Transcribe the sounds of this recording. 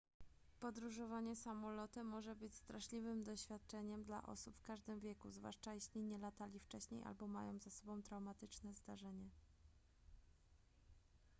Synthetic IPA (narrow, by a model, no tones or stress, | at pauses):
pɔd̪ɾuʐɔvaɲɛsamɔlɔt̪ɘmɔʐɛbɘt͡ɕst̪ɾaʂlʲivɘmd̪ɔɕfʲjat̪̚t͡ʂɛɲɛmd̪la̰ʔɔ̰supfkaʐd̪ɘmvʲjɛkṵzvwa̰ʂt͡ʂajeɕlʲiɲɛlat̪alʲift͡ʂɛɕɲḛjʔa̰lbɔma̰jɔ̰̃w̃zasɔbɔ̃w̃t̪ɾawmat̪ɘt͡ʂnɛzd̪aʐɛɲɛ